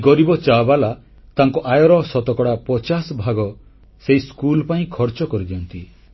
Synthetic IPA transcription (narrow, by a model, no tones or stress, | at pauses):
ɡɔɾibɔt͡ʃabala | t̪aŋkɔʔajɔɾɔsɔt̪ɔkɔɽapɔt͡ʃasɔbʱaɡɔ | seiskulɔpaĩkʰɔɾt͡ʃɔkɔɾid̪iɔnt̪i